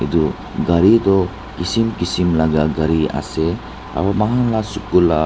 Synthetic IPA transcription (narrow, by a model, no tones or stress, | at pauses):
ḭd̪u | ɡaɾid̪ɔ | kisimkisimlaɡaɡaɾia̰sɛ | a̰bamaɦãŋlasukula